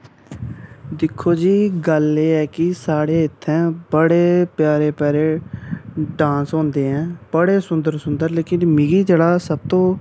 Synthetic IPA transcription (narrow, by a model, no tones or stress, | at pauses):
d̪ɪkʰːoːd͡ʒiːɡəleːɛːkɪsaːɽeːɪt̪ʰːɛ̃ːbəɽeːpjaːɾeːpɛːɾeː | ɖãːsɦõːnd̪eːɛ̃ːbəɽeːsʊnd̪əɾsʊnd̪əɾleːkɪnmɪɡiːd͡ʒeːɽaːsəb̚t̪õː